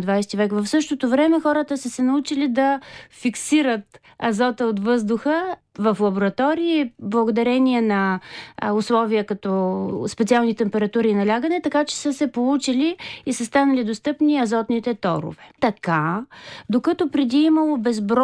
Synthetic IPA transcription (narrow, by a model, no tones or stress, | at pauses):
d̪vajst̪ivɛkvɐfsɤʃt̪ot̪ovɾɛmɛxɔɾət̪əsəsɛnɐut͡ʃilid̪ɐfiksiɾət̪ | ɐzɔt̪əot̪vɤzd̪ʊxə | vəflˠɐboɾɐt̪ɔɾiːblˠɐɡod̪ɐɾɛnʲiɛnɐ | ʊslˠɔviəkɐt̪ɔspɛt̪sialˠnit̪ɛmpɛɾɐt̪uɾiːnɐlʲaɡənɛt̪ɐkat͡ʃɛ̥səsɛpolˠut͡ʃiliisəst̪anəlid̪ost̪ɤpniɐzɔt̪nit̪ɛt̪ɔ̰ɾʊ̰vɛt̪ɐkad̪okət̪opɾɛd̪iːmɐlˠobɛzbɾɔ